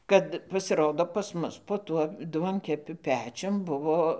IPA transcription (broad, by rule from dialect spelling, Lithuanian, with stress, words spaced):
ˈkɐt pɐsʲɪˈroːdoː pɐs ˈmʊs poː ˈtuɔ ˈduɔŋʲkʲɛpʲʊ ˈpʲæːt͡ʃʲʊm ˈbʊʋoː